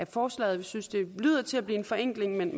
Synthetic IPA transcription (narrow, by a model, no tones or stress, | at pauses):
æfɒːslɛ̰ːð̩ˠʋisynsd̥e̝lyːð̰ˠɐt͡sʰe̝læb̥liːe̝nfɒ̽eŋ̰ɡ̥leŋmen